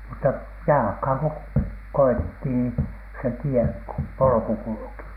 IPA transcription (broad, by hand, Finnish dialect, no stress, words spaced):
mutːɑ jɑlɑ̆khɑˑŋ ko koitːi ni se tie polŏku kulŭki